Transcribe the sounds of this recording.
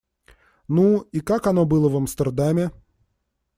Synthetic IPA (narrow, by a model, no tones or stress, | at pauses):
nuikakɐno̞bɨlˠəvɐmst̪ərd̪amʲɪ